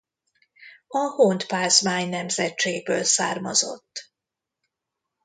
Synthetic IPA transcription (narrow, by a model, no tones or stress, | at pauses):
ɒhont̪paːzmaːɲnɛmzɛtt͡ʃeːɡbøːlsaːrmɒzo̞̰t̪ː